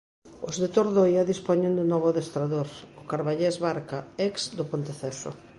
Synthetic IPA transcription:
ʊzðet̪oɾðojaðispɔɲend̪ɪnɔβʊðest̪ɾaðoɾʊkaɾβaʎɛzβaɾkaɛksd̪opont̪eθɛsʊ̰

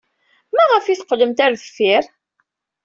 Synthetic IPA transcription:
mæʁəfiθqələmt̪æɾθfiɾ

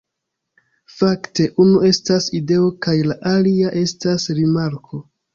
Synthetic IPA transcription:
fakte̞ʔunue̞staside̞okajlaʔaliaʔe̞stasɾimaɾkʰo̞

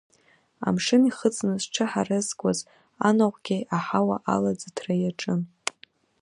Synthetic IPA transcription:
a̰mʂɨniχət͡sʼnɨzʈ͡ʂʰɨħarɨzkʷʼaz | anaʁʷɡʲejʔaħawaʔalad͡zatʰrajaʈ͡ʂʼɨn

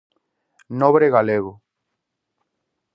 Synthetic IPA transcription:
noβɾeɣaleɣo

